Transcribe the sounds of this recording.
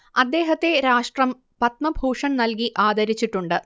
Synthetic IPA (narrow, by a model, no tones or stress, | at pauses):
ɐd̪ːe̞ːɦɐt̪ːe̞ɾaːʂʈrɐm | pɐt̪̚mɐbʱuːʂɐnnɐlkiʔaːd̪ɐɾit͡ɕːiʈːuɳɖɨ